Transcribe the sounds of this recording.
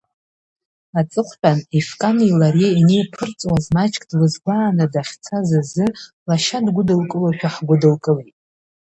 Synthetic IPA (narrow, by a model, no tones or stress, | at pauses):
at͡sʼɨχʷħʲᶣanifkʼanilaɾeinejpʰɨrt͡sʼwazmat͡ʃʰʼkʼdlɨzɡʷaːnɨdaχʲt͡sʰazazɨ | laʃadɡʷʊdɨlkʼɨlaʃᶣaħɡʷʊdɨlkʼɨlejtʼ